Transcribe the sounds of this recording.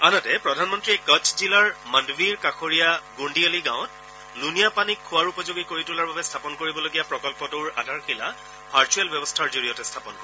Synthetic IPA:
anɔtɛpɹɔdʱanmɔntɹiɛkɔt͡ʃʰzilaɹmandbiɹkaxʰoɹijaɡuɳdialiɡãʊ̃t̚ | lunijapanikʰːʊwaɹupɔzoɡikoɹitulaɹbabɛstʰapɔnkoɹibɔloɡijapɹɔkɔlpɔtʊɹa̰dʱaɹkʰila | pʰaɹt͡ʃʰuɛlbjɛbɔstʰaɹzoɹijɔtɛstʰapɔnkɔ

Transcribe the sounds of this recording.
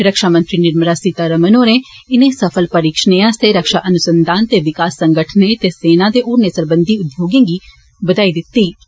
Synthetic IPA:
ɾəkʃaːmə̃nt̪ɾiːnɪɾmɾaːsit̪aːɾəmənone | ɪnẽːsəpʰəlpəɾiːkʃəneãːst̪eɾəkʃaːʔənʊsənd̪ʱaːnt̪eːʋɪkaːsːə̃ŋɡəʈʰnet̪eːseːnãːd̪eːʔoːɾneːsəɾbənd̪iːʊd̪joːɡẽːɡi | bəd̪aːid̪ɪt̪ːiː

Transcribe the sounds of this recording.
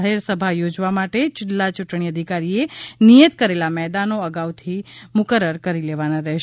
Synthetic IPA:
ɦeɾsəbʱajod͡ʒʋamaʈet͡ʃʊllat͡ʃuʈɳ̃iəd̪ʱikaɾienijət̪kəɾelamɛd̪anoəɡaʋt̪ʰimʊkəɾəɾkəɾileʋanaɾɛɦʃ

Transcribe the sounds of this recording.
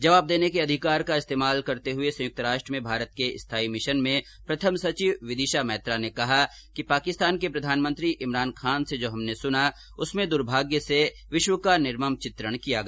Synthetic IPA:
d͡ʒɐʋaːb̚d̪eːnekeɐd̪ʱɪkaːɾkaɪst̪eːmaːlkɐɾt̪eɦʊesɐ̃jʊk̚t̪əɾaːʃʈɾəmẽbʱaːɾət̪̚keɪst̪ʰaːimɪʃənmẽ | pɾɐt̪ʰəmsɐt͡ʃiːʋʋɪd̪ɪːʃamɛːt̪ɾanekɐɦa | kipaːkɪst̪aːnkepɾɐd̪ʱaːnmə̃nt̪ɾiʔɪmɾaːnkʰaːnsed͡ʒoːɦɐmnesʊna | ʊsmẽd̪ʊɾbʱaːɡjəse | ʋɪʃwəkanɪɾməmt͡ʃɪt̪ɾəɽ̃kijaɡɐ

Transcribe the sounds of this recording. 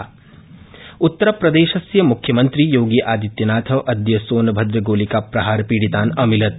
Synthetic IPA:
ut̪ːɐɾɐpɾɐd̪eːʃɐsjɐmukʰjɐmɐnt̪ɾijoːɡiʔaːd̪it̪jɐnaːt̪ʰɐʋʔɐd̪jɐsoːnɐbʱɐd̪ɾɐɡoːlikaːpɾɐɦaːɾɐpiːɽit̪aːnɐmilɐt̪̚

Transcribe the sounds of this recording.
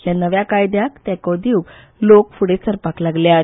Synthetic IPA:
janəʋjakajd̪jakt̪ɛ̃kɔd̪iwk | lokfuɽet͡səɾpaklaɡlja

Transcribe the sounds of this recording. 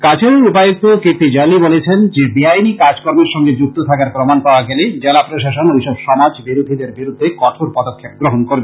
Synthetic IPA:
kat͡ɕʰeɾeupajok̚t̪okepid͡ʑalibolet͡ɕʰend͡ʑebiajnikad͡ʑkoɾmeɾʃɔŋɡed͡ʑuk̚t̪ot̪ʰakaɾpɾomanpaoaɡɛled͡ʑelapɾoʃaʃonojʃɔbʃɔmad͡ʑbiɾod̪ʱid̪eɾbiɾud̪ʱːekɔʈʰoɾpɔd̪okʰːek̚ɡɾoɦonkoɾbe

